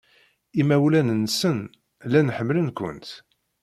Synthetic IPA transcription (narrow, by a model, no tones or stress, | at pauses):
imæwlænənːsən | lænħəmːlənkʷə̰nt̪